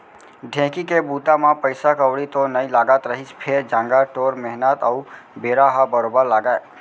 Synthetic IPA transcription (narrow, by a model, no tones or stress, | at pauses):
ɖʱɛ̃kikebut̪amãpəjsakəʋɽit̪onəĩlaɡat̪ɾəɦispʰed͡ʒãŋɡaʈoɾmɛɦnət̪əubeɾaɦabəɾobəɾlaɡae